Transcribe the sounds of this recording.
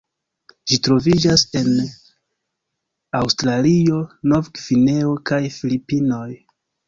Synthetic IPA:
d͡ʒitɾo̞vid͡ʒase̞n | awstɾaliono̞vɡvine̞o̞kajfilipino̞j

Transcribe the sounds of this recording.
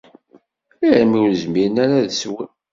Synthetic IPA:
iɾmiwɾəzmiɾənæɾaðswə

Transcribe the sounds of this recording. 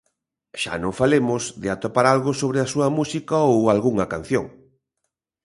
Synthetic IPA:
ʃa̰nõŋfalemʊzðɪat̪opaɾalɣosoβɾɪasuɐmusikɐowalɣuŋɐkan̟θjo̰ŋ

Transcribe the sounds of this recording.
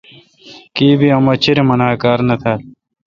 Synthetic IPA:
kiːbiɐmɐt͡ɕʰiɾemɐnaːkaːɾnɐt̪ʰaːl

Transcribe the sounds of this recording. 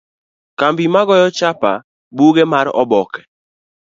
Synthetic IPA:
kambimaɡɔjɔt͡ʃapa̰ | buɡɛmaɾɔ̰bɔkɛ̥

